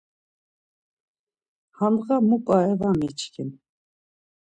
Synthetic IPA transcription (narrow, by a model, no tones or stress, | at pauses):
hanʁamukʼaɛvamit͡ʃʰkʰin